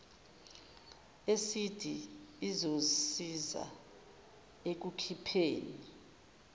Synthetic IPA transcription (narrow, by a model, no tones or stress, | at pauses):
esid̥ʱiːzosiza̰ | ek̬ukʰipʰeːni